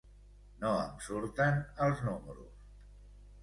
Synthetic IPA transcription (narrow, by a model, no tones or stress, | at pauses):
noə̰msuɾt̪ənəlˠznuməɾṵs